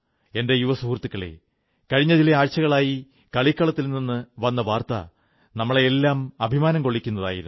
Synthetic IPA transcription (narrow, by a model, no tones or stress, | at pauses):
e̞nde̞juʋɐsuːrt̪ːikːɐɭḛ | kɐɻiɲːɐðilɐaːɻt͡ɕːɐɣɐɭaːji | kɐɭikːɐɭɐt̪ːilninːɨʋɐnːɐʋaːrt̪ɐ̰ | nɐmːɐɭeːlːaːmɐbʱimaːnɐmko̞ɭːikʲːunːɐða̰ːjḭɾunː